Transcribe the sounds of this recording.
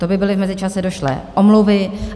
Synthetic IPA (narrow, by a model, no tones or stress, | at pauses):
t̪obɪbɪlɪvmɛzɪt͡ʃasɛdoʃlɛ̰ʔomluvɪ